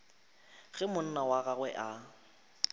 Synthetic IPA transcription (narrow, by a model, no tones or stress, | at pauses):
ɣɛmʊn̩nawaɣaɣwɛʔa